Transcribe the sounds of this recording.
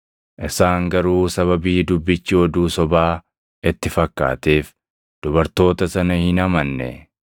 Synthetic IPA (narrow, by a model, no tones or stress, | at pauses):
ʔɪsaːŋɡɐɾuːsɐβɐbiːd̪ʊbːɪt͡ʃːɪɔd̪uːsɔbaː | ɪt̪ːɪfɐkːa̰ːt̪eːf | d̪̥ʊbɐɾt̪o̞ːt̪ɐsɐnɐhɪnɐmɐnːɛ̰